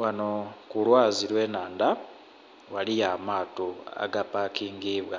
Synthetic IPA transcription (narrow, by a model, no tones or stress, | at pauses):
wanokulwaːziɾwe̞ːnaːnda | walijamaːtoa̰ɡapakiːŋɡiːβwa